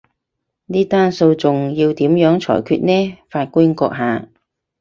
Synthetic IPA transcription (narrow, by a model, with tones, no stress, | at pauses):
niː˥t̪aː˥nso˧wt͡sʊ˨ŋjiː˧wt̪iː˨˥mjœː˨˥ŋt͡sʰɔ̰ː˨˩jkʰyː˧t̚nɛː˥faː˧t̚kuː˥nkɔ̰ː˧k̚ɦaː˨˧